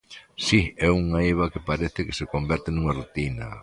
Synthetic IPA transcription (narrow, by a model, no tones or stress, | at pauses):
siɛuŋaeβ̞ɐkɪpaɾeθɪke̥sekombɛɾt̪ɪnuŋɐarut̪inɐ